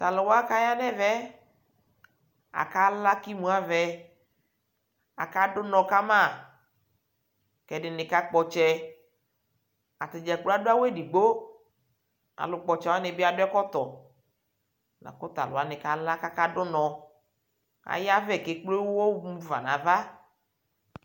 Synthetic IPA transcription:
t̪a˨lʊ˨wa˦ka˦ja˦nɛ˦vɛ˦ | a̰˨ka˦la˦ki˦mũ˨˦a˦vɛ˦ | a̰˨ka˦dʊ˦nɔ̃˨ka˦mã˦˨ | kɛ˨dɪ˨nɪ˨ka˦k͡pɔ˨t͡ʃɛ˦ | a̰˨t̪ɪ˨d͡ʒɛ˨k͡plo˦a˦do˦a˦wɛ˦di˨ɡ͡bo˦ | a̰˨lʊ˨k͡pɔ˨t͡ʃɛ˨wa˦nɪ˨bɪ˦a˨dʊ˦ɛ˦kɔ˦t̪ɔ˨ | na̰˨kʊ˦t̪a˨lʊ̰˨a˨nɪ˨ka˦la˦ka˦ka˦ɖʊ˦nɔ̃˨ | a̰˨ja˦vɛ˦˨ke˦k͡plo˦wwɔ˦wmu˦va̰˨nã˨va˦

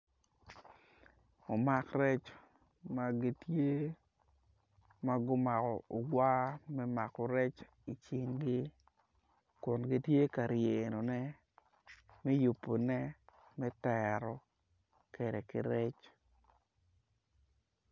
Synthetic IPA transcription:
o˨ma˨krɛ˦t͡ʃ | ma˨ɡɪ˨tje˦ | ma˦ɡʊ˦ma˨kɔ˨o˨ɡwa˦mɛ˦ma˨kɔ˨ɾɛ˦t͡ʃ | i˨t͡ʃɪ˨ŋɡɪ˦ | kʊ˨nɡɪ˦tje˦ka˨ɾje˨no˨nɛ˦ | mɛ˦ju˨pːo˨nɛ˦mɛ˦tɛ˨ɾɔ˨ | ke˨ɾɛ˨kɪ̰˨ɾɛ˦t͡ʃ

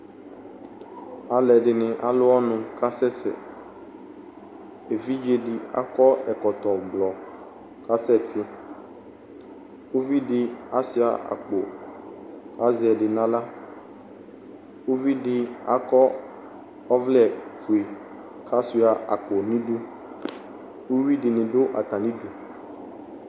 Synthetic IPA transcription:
a˨lɛ˨ɖɪ˨nɪ̃˨ʔa˨lʊ˦ɔ˦nʊ̃˨ka˦sɛ˦sɛ̰˨ | e˨vi˦d͡ʒe˦ɖɪ˨a̰˦kɔ˦ɛ˨kɔ˨t̪ɔ˨ɡ͡blɔ˨ | ka˦sɛ˦˨t̪ʰɪ˦ | wo˦vi˦ɖɪ˦a˦si˦a̰˨a̰˨k͡po˨ | ka˦zɛ˨ɖɪ˨nã˦la˦ | wo˦vi˦ɖɪ˦a̰˦kɔ˦ | ɔ˦vlɛ˨fu˨e˨ | kʰa˦su˦a˨ʔa̰˨k͡po˨nĩ˦ɖu˦ | wo˦wi˦dɪ˨nɪ̃˨ɖʊ˦ʔa̰˨t̪a˨nĩ˦du˨

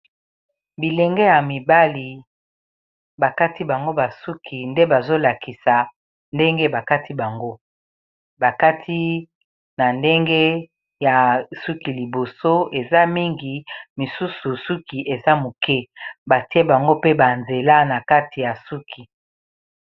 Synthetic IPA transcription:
bi˨lɛ˨ŋɡɛ˦ja˨mi˨ba˦li˨ | ba˨ka˦ti˦ba˨ŋɡo˦ba˨su˦kʰi˨nde˦ba˨zo˦la˨ki˨sa˨ | nde˦ŋɡe˦ba˨ka˦ti˦ba˨ŋɡo˦ | ba˨ka˦tʰi˦ | na˨nde˦ŋɡe˦ | ja˨su˦ki˨li˨bo˨so˦e˨za˦mi˦ŋɡi˨mi˨su˦su˨su˦ki˨ʔe˨za˦mu˨kɛ˦ba˨ti˦e˦ba˨ŋɡo˦pe˦ba˨nze˨la˦na˨ka˦ti˨ja˨su˦kʰi˨

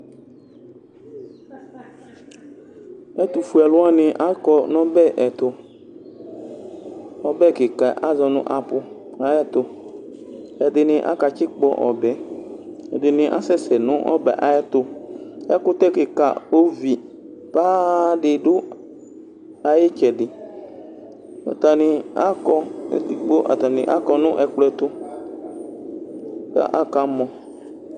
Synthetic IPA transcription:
ɛ˦t̪ʊ˨fu˨ɛ˨lʊ˦a˦nɪ̃˨ʔa˦kɔ˨nɔ̃˦bɛ˦ʔɛ˨t̪ʊ˨ | ɔ˦bɛ˦˨kɪ˨ka˨ʔa˦zɔ˨nʊ̰̃˦ʔa˨pʊ˨ | a˨˦jɛ˦t̪ʊ˨ | ɛ˨dɪ˨nɪ̃˨ʔa̰˦ka˨t͡ʃɪ˦k͡pɔ˨ʔɔ̰˨bɛ˨ | ɛ̰˨dɪ˨nɪ̃˨ʔa̰˦sɛ˦sɛ˨nʊ̃˦ʔɔ̰˦bɛ̰˨ʔa˨jɛ˦t̪ʊ˨ɛ˦kʊ˦t̪ɛ˦kɪ˨ka̰˨o˦vi˨ | pa˦dɪ˨dʊ˦ | a˨jɪ˦t͡ʃɛ˨dɪ˨ | a̰˨t̪a˨nɪ˨a̰˦kɔ̰˧˨d̪i˨k͡po˦ʔa̰˨t̪a˨nɪ̃˨ʔa̰˦kɔ˧nʊ̃˦ʔɛ˨k͡plɛ˦t̪ʊ˦ | ka̰˦ʔa˦ka˨mɔ̃˨

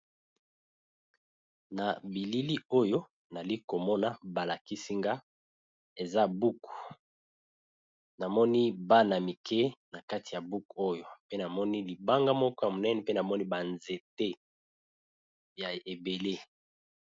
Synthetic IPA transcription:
na˨bi˨li˦li˦o˦jo˦ | na˨li˦ko˨mɔ˦na˦ba˨la˨ki˦si˦ŋɡa˦ | e˨za˦bu˦ku̥˨ | na˨mɔ˦ni˦ba˦na˨mi˨kɛ˦na˨ka˦ti˨ja˨bu˦ko˦jo˨pe˦na˨mɔ˦ni˦li˨ba˦ŋɡa˦mɔ˦kɔ˦ja˨mo˨nɛ˦ne˨pe˦na˨mɔ˦ni˦ba˨nze˨te˦ | ja˨e˨be˨le˦

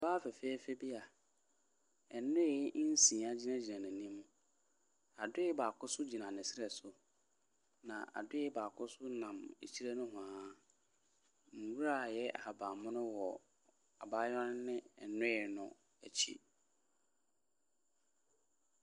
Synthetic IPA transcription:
baː˦fɛ˨fe˦i˦fe˦bi˦a˨ | ɛ˨nʊ̃˦e˦˨˦n̩˦sĩ˨a˦d͡ʑi˦nã˦d͡ʑi˨nã˨nɪ̃˨nĩ˦mũ˦ | a˨dʊ˦ɪ˦baː˨kʰʊ˦sʊ˦d͡ʑi˨nã˨nɪ̃˨sɪ˦ɾɛ˨sʊ˨ | nã̰˨ʔa̰˨dʊ˦ɪ˦baː˨kʰʊ˦sʊ˦nã˨mḛ˨t͡ɕʰi˦ɾe˦nʊ̃˦ɦʊ̃˨a˨˦ | ŋ̩˨wu˦ɾa˦˨jɛ˦ʔa˨ba˨mʊ̃˦nʊ̃˦wɔ˨ | a˨ba˦jɔ˦n˦nɪ̃˦ɛ˨nʊ̃˦˨nʊ̃˨ | æ˨t͡ɕʰḭ˦

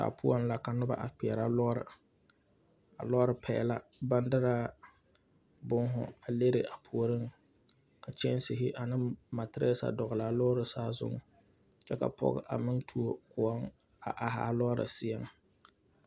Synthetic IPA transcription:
a̰˨pʊ˦ɔ˦n˦la˨ka˨nʊ˦ba̰˨ʔa˨k͡pi˨ɛ˨ɾa˦lɔ˦ɾɨ̰˨ | a̰˨lɔ˦ɾɨ˨pʰɛ̰ː˨la˦ba˦ndɨ˦ɾa˦ | bʊ˦ŋɦʊ̰˨a˨le˦ɾɪ˨ʔa˨pʰu˨o˨ɾɨ˦ŋ | ka˨t͡ʃɛ˦n˦sɪ˨ɦɪ˦ʔa˨nɨ˦ma˨tɪ˦ɾɛ˦sa̰˨dɔ˨ɣɨ˨la˨˦lɔ˦ɾɨ˨saː˦zʊ̰˦ŋ | t͡ʃɛ˦ka̰˨pɔ̰˦ɣ̰ʔa˨mɪ˦ntʰu˦o˨kʊ˨ɔ˦ŋ | a̰˨ʔa˨ɦa̰˨lɔ˦ɾɨ̰˨sɪ˦ɛ˦ŋ

